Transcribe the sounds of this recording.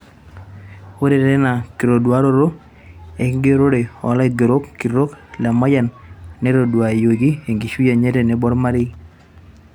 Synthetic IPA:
o˦ɾe˨ɾɛ˦na˨ki˨ɾo˨dwa˨˦ɾo˦ɾo˦ | e˨ŋɡe˦ɾo˦ɾe˨ɔ̰˨˦la˦ɪ˨do˨ɾo˦kːi˨rɾo˦kla˨ma˦ja˨nːe˦ɾo˨dwa˨e˨jo˨ɡi˦e˨ŋɡi˨ʃu˦ja˨ɲe˦te˨ne˨bɔ˦ɾma˦ɾɪ˦

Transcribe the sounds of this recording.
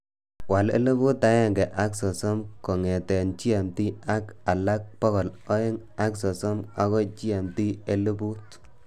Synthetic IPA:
wa˨lḛ˦le˦bu˦ta˦jɛ˦˨ŋɡɛ˨ʔa˦ksɔ˨sɔ˦mkɔ˨ŋɛ˨tɛ˨nt͡ʃi˦a˨mti˦a˦ka˨la˦k̚pɔ˦kɔ˨lɔ˦e˦ŋ | a˦ksɔ˨sɔ˦ma˦kɔ˦t͡ʃi˦a˨mti˦e˦lu˦bu˦t

